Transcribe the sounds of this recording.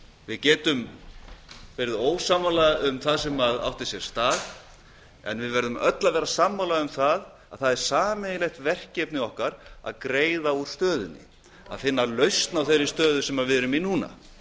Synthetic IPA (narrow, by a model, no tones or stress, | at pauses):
vɪðcɛːt̪ʏm | pɛːɾðoːwsaːmalaʏmθaðsɛmaða̰wht̪ɪsjɛɾ̥st̪aːð | ɛ̰nvɪðvɛɾðʏmœ̰t̪lavɛːɾasaːmːalaʏmθað | a̰ðθaðɛɾ̥saːmejlejht̪vɛr̥cɛpnɪɔhkaɾa̰ðkɾeːjðauɾ̥st̪œːðʏnːɪ̰ | a̰ðfɪnːalœɥst̪nawθejɾːɪ̥st̪œːðʏsɛmaɾvɪðɾʏminuːna̰